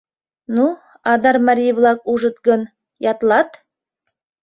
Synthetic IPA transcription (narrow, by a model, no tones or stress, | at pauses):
nu | ɑd̪ɑɾmɑɾʲiblˠɑk̚uʒɤ̆t̪ɡɤn | jɑt̪lˠɑt̪